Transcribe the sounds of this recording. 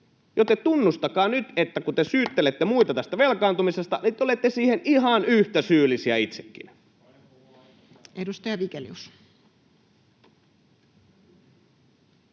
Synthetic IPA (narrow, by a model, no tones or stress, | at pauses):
jot̪ːet̪unːust̪ɑkɑːnyt̪et̪ːækut̪esyːt̪ːelet̪ːemuit̪ɑt̪æst̪æʋelkɑːnt̪umisest̪ɑnit̪ːolet̪ːesiːhenʔiɦɑnyht̪æsyːlːˑisiæit̪sekːḭn | edust̪ɑjɑʋikeljus